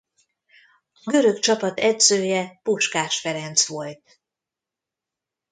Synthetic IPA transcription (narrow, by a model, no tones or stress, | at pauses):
ɒɡø̞ɾø̞kt͡ʃɒpɒt̪ɛd̪zøːjɛpuʃkaːʃfɛɾɛnt̪sʋo̞lt̪̚